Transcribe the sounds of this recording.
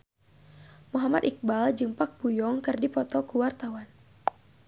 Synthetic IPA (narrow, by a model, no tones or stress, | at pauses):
muɦamad̪ik̚bald͡ʒɨŋpak̚bujɔŋkɨrdipɔt̪ɔkuwart̪awan